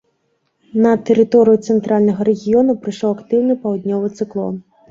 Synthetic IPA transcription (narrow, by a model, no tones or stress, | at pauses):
nɐt̪ɛɾɨt̪ɔɾɨjut̪sɛnt̪ɾalʲnɐɣɐɾɛɣʲijɔnupɾɨʂɔwɐkt̪ɨwnɨpɐwd̪nʲɔvɨt̪sɨklˠɔ̰n